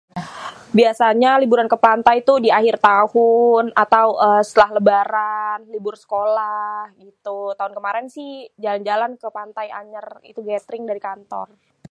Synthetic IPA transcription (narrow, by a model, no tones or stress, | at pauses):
biasaɲalibuɾankəpant̪ajt̪udiaɦɪrt̪ahʊnat̪awəsət̪əlaɦləbaɾanlibʊrsə̥kolahɡit̪ut̪aʊnkəmaɾɛnsɪhd͡ʒaland͡ʒalankəpant̪aja̰ɲərḭt̪uɡɛt̪ɾɪŋdaɾikant̪ɔ̰r